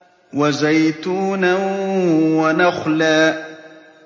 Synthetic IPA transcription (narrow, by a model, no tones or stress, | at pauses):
wazajt̪uːna | wanaxlaː